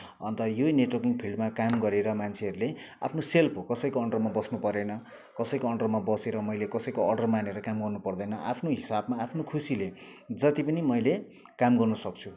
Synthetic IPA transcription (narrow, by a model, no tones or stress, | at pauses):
ʌ̰nt̪ʌjoneʈwʌrkiŋɡpʰilɖmakamɡʌɾeɾʌmant͡sʰeɦʌɾule | a̰pʰnoselpokʌsʌjkoʌɳɖʌrmabʌsnupʌɾenʌ | kʌsʌjkoʌrɖʌrmabʌseɾʌmʌjlekʌsʌjkoʌrɖʌrmaneɾʌkamɡʌrnupʌrd̪ʌjnʌʔa̰pʰnoɦisabmaːpʰnokʰusile | d͡zʌt̪ipʌnimʌjle | kamɡʌrnʌsʌk̚t͡sʰu